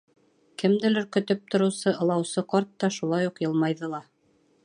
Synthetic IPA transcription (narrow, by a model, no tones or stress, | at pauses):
kɘ̆md̪ɘlɵ̆ɾkɵ̆t̪ɵp̚t̪ʰŏɾɤ̆wsɤʔɤ̆lˠɑwsɤqɑɾt̪ːɑʃulˠɑjuqjɤ̆lˠmɑjðɤlˠɑ